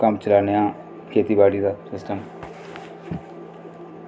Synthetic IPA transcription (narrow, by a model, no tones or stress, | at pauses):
kamt͡ʃəlaːnejã | kʰeːt̪ibaːɖid̪asɪsʈəm